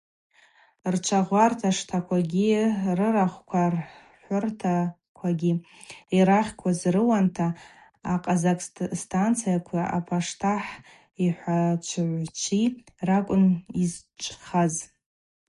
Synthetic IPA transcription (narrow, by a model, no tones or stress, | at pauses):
rt͡ʃʷʰaʁʷartʰaʂtʰakʷʰaɡʲirɨraχʷkʷʰar | ħʷʊrtʰa | kʷʰaɡʲiiɾaχʲkʷʰazrɨwantʰaː | qʼazakʼstʰʼant͡sʰijakʷʰaʔa̰pʰaʂtʰaħ | iħʷat͡ʃʷʰʕʷt͡ʃʷʰi | rakʷʼʊnizt͡ʃʷʼχaz